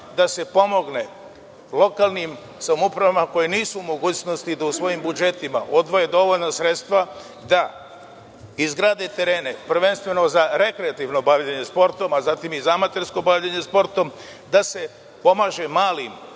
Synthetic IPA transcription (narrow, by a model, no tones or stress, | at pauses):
d̪ase̞po̞mo̞ɡne̞ | lˠo̞kalˠnim | samupɾaʋamako̞jeniːsuːmo̞ɡuːt͡ɕno̞st̪id̪ausʋo̞jimbud͡ʒe̞t̪ima̰ʔo̞d̪ʋo̞je̞d̪o̞ʋo̞ʎnasɾe̞t̪st̪ʋa | d̪a | izɡɾaːd̪e̞t̪e̞ɾe̞ːne̞pr̩ɾ̩ʋe̞nst̪ʋe̞no̞zaɾe̞kɾeat̪iʋno̞baʋʎaɲe̞spo̞ɾt̪o̞mazaːt̪imizaamat̪eɾsko̞baʋʎaɲe̞spo̞ɾt̪o̞m | d̪ase̞ | po̞maːʒe̞maːlim